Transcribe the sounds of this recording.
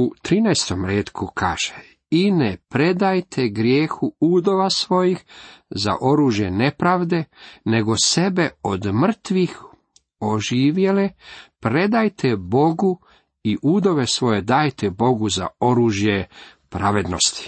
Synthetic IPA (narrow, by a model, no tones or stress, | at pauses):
ut̪ɾiːnajst̪o̞mɾeːt̪kʰukʰa̰ːʒ̥e | inepɾe̞d̪ajt̪ʰeɡɾjeːxuuːd̪o̞ʋasʋo̞jixza̰ʔo̞ɾuːʒje̞ne̞pɾaːʋd̪e̞ne̞ɡo̞se̞be̞od̪mr̩t̪ʋix | oʒiːʋjelepɾe̞d̪ajt̪ʰebo̞ɡu | iʔuːd̪o̞ʋesʋo̞jed̪aːjt̪ebo̞ɡuza̰o̞ɾuːʒjepɾaʋe̞d̪no̞̰st̪i̥